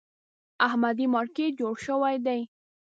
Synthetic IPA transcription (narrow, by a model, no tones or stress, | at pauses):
ahmad̪imɑɾket̚d͡ʒoɽʃəwajd̪aj